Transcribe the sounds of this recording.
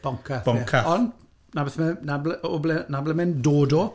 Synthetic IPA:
b̥ɔŋkʰab̥ɔŋkʰaɔn | nabɛθmənablɛʔɔblɛnablɛmɪndoːdɔ

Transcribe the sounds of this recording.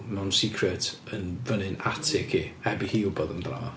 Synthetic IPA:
nɔnsikʰrɛt | ənvənɪnatʰɪkʰihɛbihiːʊbɔðəmdra̰ː

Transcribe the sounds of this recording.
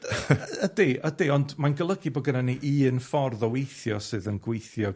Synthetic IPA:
ədeʔədeɔndmanɡəlˠəɡibɔɡənaniʔiːnfɔrðɔwejθjɔsɨːðənɡwejθjɔ

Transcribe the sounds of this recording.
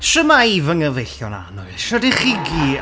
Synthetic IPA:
ʃəmaivəŋəvejɬjɔna̰nɔɨʃɔdiχɪɡi

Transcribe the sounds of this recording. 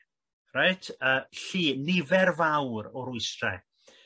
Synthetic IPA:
raɨtʰəːɬiːnɪvɛrvawɾɔɾʊɨstrɛ̰

